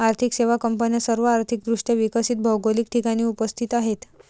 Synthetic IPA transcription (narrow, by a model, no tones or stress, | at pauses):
aɾt̪ʰikseʋakəmpənjasəɾʋəaɾt̪ʰik̚d̪ɾuʂʈeʋikəsiːt̪̚bʱəwɡolik̚ʈʰikaɽ̃iːupəst̪ʰit̪aɦet̪